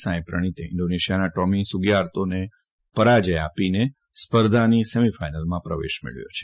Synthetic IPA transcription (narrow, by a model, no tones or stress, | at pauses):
sãj̃pɾə̰ɽ̃it̪eɪ̰ɳɖoneʃijanaʈɔmĩsuɡjaɾt̪one | pəɾad͡ʒəja̰pine | spəɾd̪ʱanisemifajnəlmãpɾəʋḛʃmḛɭʋjo̰t͡ʃʰe̥